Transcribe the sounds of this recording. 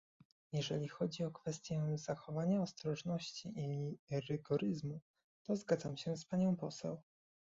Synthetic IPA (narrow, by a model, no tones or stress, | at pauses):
jɛʐɛlʲixɔd͡ʑiɔkfɛst̪ʲjɛzaxɔvaɲaɔst̪ɾɔʐnɔɕt͡ɕiʔiɾɘɡɔɾɘzmu | t̪ɔzɡad̪zamɕɛspaɲɔ̃w̃pɔsɛ̰w